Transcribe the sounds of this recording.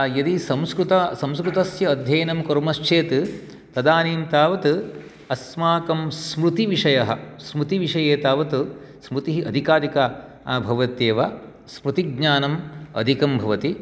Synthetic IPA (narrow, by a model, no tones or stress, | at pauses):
jɐd̪isɐmskɾut̪ɐsɐ̃mskɾut̪ɐsjɐːd̪ʱjɐːnɐmkɐɾmɐʃt͡ʃʰeːt̪ɨ | t̪ɐd̪aːniːmt̪aːʋɐt̪ɨ | ɐsmaːkɐmsmɾut̪iʋiʂɐjɐɦɐ̆smɾut̪iʋiʂɐjeːt̪aːʋɐt̪usmɾut̪iɦiʔɐd̪ʱikaːd̪ika | bʱɐʋɐt̪jeːʋɐ | smɾut̪iɡ̚ɲaːnɐmɐ̰d̪ʱikɐmbʱɐʋɐt̪i